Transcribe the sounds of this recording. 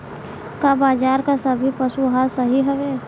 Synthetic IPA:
kabaːd͡ʒaːɾkasɐbʱipəsuɦaːɾsəɦiɦoʋeː

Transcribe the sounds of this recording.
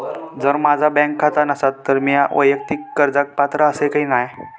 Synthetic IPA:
d͡zəɾmad͡zʱabɛ̃ŋkʰːat̪anəsat̪ːəɾmijaʔʋəjək̚t̪ikːəɾd͡zak̚pat̪ɾaəsekaɦiːnaj

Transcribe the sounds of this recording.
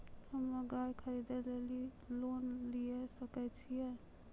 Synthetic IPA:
həmːəɡajkʰəɾid̪eleli | lonliesəkɛt͡ʃʰijɛ

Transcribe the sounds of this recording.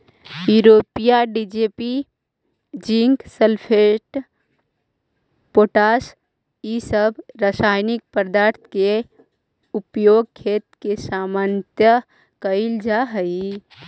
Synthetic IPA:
juɾoːpijaɖid͡ʒepi | d͡ʒiŋɡsəlpʰeʈ | poʈaːs | jisəbʱɾasaːjnɪk̚pəɾd̪aːɾt̪ʰke | ʊpjoɡ̚kʰeːt̪kesamənt̪jə | kəɪld͡ʒaɦəi

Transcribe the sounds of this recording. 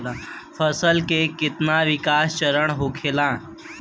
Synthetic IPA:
afəsəlkekit̪naʋikast͡ɕəɾəɳɦokʰelã

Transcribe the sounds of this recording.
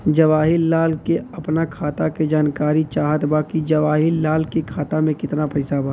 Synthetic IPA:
d͡ʒɐʋaːɦɪlːaːlkeɐpnakʰaːt̪aked͡ʒaːnkaːɾit͡ʃaːɦət̪baːkid͡ʒɐʋaːɦɪlːaːlkekʰaːt̪amẽkɪt̪napɐɪsabaː

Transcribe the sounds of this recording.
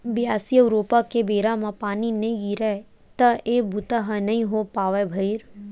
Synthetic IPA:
bijaːsijəʊɾoːpakebeːɾamãpaːninɐĩɡiɾɛ | t̪ɐeːbʱut̪aɦanɐĩɦopaːʋebʱɐɪɾ

